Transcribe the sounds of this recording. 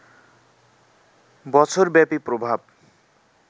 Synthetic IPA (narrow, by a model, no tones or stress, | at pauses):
bʌt͡sʰorbjapiprobʱab̚